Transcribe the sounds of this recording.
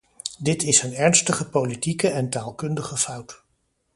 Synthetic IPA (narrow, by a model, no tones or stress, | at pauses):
dɪtɪsənɛɹnstəχəpowlitikəɛntaːlˠkɵndəχəfɑwt